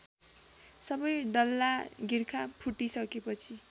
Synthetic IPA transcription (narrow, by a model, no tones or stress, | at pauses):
sʌbʌjɖʌlːaɡirkʰapʰuʈisʌkepʌt͡sʰi